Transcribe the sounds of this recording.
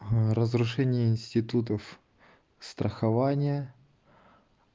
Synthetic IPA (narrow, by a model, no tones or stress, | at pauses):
ɾəzɾʊʂɛnʲɪjəɪnʲsʲtʲɪt̪ut̪əf | st̪ɾʔəxɐvanʲɪjə